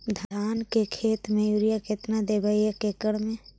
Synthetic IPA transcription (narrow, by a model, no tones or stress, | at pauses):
d̪ʱaːnkekʰeːt̪mẽjuɾijaket̪nad̪ebəiəkekəɽmẽ